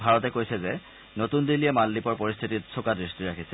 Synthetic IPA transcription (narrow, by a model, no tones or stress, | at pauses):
bʱaɹɔtɛkojsɛzɛ | notundiliɛmalːipɔɹpoɹist̪ʰititsʰokadɹistiɹakʰisɛ